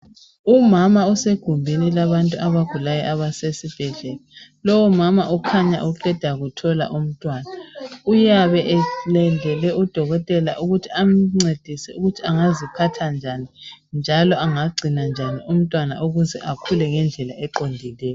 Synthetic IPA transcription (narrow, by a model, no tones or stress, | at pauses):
umamauseɡ̥ʱumbʱinilaβantʼuʔaβaɡ̥ʱulajɛʔaβasesib̥ʱɛɮɛlalɔwɔmamaukʰaɲa̰ʔuǃʰɛd̥ʱaɣutʰɔla̰ʔum̩tʼwaːnaujaβɛʔɛlɛndʱɛlɛud̥ʱɔɣɔtʼɛla̰ʔuɣutʰiam̩ŋ͡ǀed̥ʱisɛuɣutʰiaŋazipʰatʰand͡ʒʱanind͡ʒʱalɔʔaŋaɡ͡ǀʱinand͡ʒʱaniʔum̩tʼwana̰ʔuɣuzɛ̰ʔakʰulɛŋɛnd͡ɮʱɛlaʔɛǃondʱilɛːjɔ